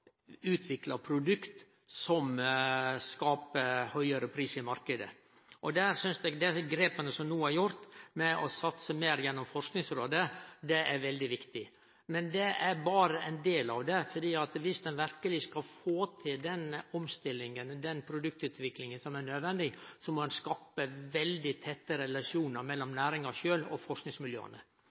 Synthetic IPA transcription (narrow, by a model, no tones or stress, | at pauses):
ʉːt̪ʰʋɪklɑpʰɾʊd̪ʉkt̪ | sɔm | skɑːpəhœʏəɾəpʰɾiːsɪmɑɾkəd̪ə̰ | ʔɔd̪æːɾsʏnsd̪ɛɡd̪ɛɡɾeːpənəsɔmnuːəæɾjʊɾt̪mɛʔɔsɑt̪səmeːɾjɛnːɔmfɔʂknɪŋsɾoːd̪əd̪ɛæɾʋɛld̪ɪʋɪkt̪ɪ | mɛnd̪ɛʔæɾbɑːɾəʔɛnd̪eːlɑ̰ʋd̪ɛfɔɖiːɑt̪ʋɪsd̪ɛnʋæɾkəlɪskɑlfoːt̪ʰɪld̪ɛnɔmst̪ɪlːɪŋənd̪ɛnpʰɾʊd̪ʉk̚t̪ʉːt̪ʋɪklɪŋənsɔmæɳød̪ʋɛnd̪ɪsɔmɔɑnskɑːpəʋɛld̪ɪt̪ʰɛt̪ːəɾɛlɑʂuːnəɾmɛlːɔmnæːɾɪŋɑʂøːlɔ̰fɔʂknɪŋsmɪljø̰ːə̰nə